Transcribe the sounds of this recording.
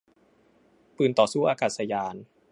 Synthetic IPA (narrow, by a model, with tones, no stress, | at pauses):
pɯː˨˩nt̪ɔː˨˩suː˥˩ʔaː˧kaː˨˩sa˧jaː˧n